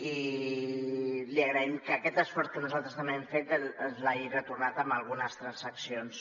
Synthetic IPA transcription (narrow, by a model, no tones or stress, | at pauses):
i | liəɣɾəimkəːkɛt̪əsfɔɾt̪̚kənuzalˠt̪ɾəzt̪əmɛɱfet̪əzlaʒirət̪urnat̪əmbəlˠɣ̞unəst̪ɾənsəksions